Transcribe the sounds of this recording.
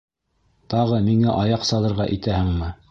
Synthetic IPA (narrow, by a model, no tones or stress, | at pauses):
t̪ɑʁɤmiŋæʔɑjɑqsɑlˠɤ̆ɾʁɑʔit̪æhɘ̆ŋmɘ